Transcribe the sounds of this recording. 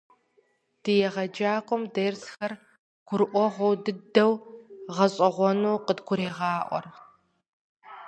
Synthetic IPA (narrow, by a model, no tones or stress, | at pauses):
d̥ɨjɛʁɐd͡ʒaːkʷʼɔmdɐrsxɐr | ɡ̥ʷʊɾʔʷɔʁʷɔwdɨdɐwʁɐɕʼɐʁʷɔnuːqədɡʷʊɾeːʁɑːʔʷɔ̰r